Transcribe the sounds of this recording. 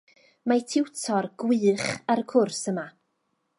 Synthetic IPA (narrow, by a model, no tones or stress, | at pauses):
matʰɪwtʰɔrɡ̥wɨːχaɾəkʰʊrsəma